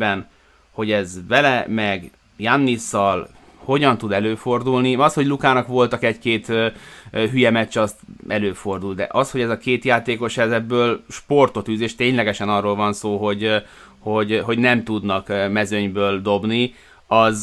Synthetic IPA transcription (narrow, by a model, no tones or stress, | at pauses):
bɛn | ho̞ɟɛzʋɛlɛmɛɡ | janːisːɒl | ho̞ɟɒnt̪ud̪ɛløːfo̞rd̪ulniɒsho̞ɟlukaːnɒkʋo̞lt̪ɒkɛɟkeːt̪ː | ɦyjɛmɛt͡ʃːɛɒst̪ɛløːfo̞rd̪uld̪ɛ̰ʔɒsho̞ɟɛzɒkeːt̪jaːt̪eːko̞ʃhɛzɛbːøːlʃpo̞rt̪ot̪yːzeːʃt̪eːɲlɛɡɛʃɛnɒroːlvɒnsoːɦo̞ɟ | ho̞ɟɦo̞ɟnɛmt̪ud̪nɒkmɛzøɲbøːld̪o̞bni | ɒz